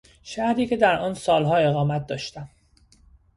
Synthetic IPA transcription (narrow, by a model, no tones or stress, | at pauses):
ʃæhɾiːcʰe̞d̪æɾɒːnsɒːlɦɒːe̞ɣɒːmæt̪̚d̪ɒːʃt̪æm